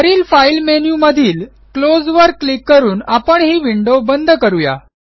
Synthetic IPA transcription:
t̪əɾiːlfailmenjuməd̪ʱiːl | klod͡zʋəɾkːlikːəɾuːnapəɳɦiːʋiɳɖobənd̪ʱkəɾuja̰

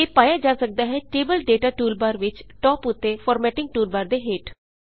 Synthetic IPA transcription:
eːpaːjaːd͡ʒaːsək̚d̪aːɦɛːʈeːbəlɖeːʈaːʈuːlbaːɾʋɪt͡ʃʈɔːpʊt̪ːeːfʰɔːɾmɛːʈɪ̃ŋɡ̚ʈuːlbaːɾd̪eːɦeːʈ

